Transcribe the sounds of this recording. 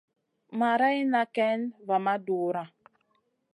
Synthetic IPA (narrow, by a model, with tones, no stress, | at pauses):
ma˨ɾa˦i˦na˨kɛ˦nva˨ma˦du˨ɾa˨